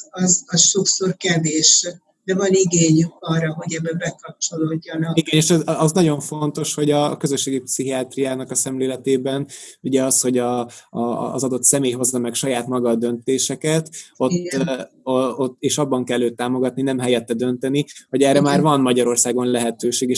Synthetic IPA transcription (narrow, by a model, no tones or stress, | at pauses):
ɒzɒsʃo̞kso̞rkɛveːʃ | d̪ɛvɒniɡeːɲyɒːrːɒɦo̞ɟɛbːɛbɛkɒp̚t͡ʃo̞loːɟːɒnɒkiɡɛneːʃɛzɒznɒɟo̞ɱfo̞nt̪o̞ʃho̞ɟɒkø̞zøʃːeːɡipsiɦiaːt̪rijaːnɒkɒsɛmleːlɛt̪eːbɛnuɟɛɒsho̞ɟɒ̰ː | zɒd̪o̞t̪sɛmeːjɦo̞zːɒmɛkʃɒjaːt̪mɒɡɒd̪ønt̪eːʃɛkɛt̪o̞t̪ːoot̪ːeːʃɒbːɒŋkɛlːøːt̪ːaːmo̞ɡɒt̪ninɛmɦɛjɛt̪ːɛd̪ø̞nt̪ɛniho̞ɟɛːrɛmaːrvɒnmɒɟɒɾo̞rsaːɡo̞nlɛɦɛt̪øːʃeːɡeːʃ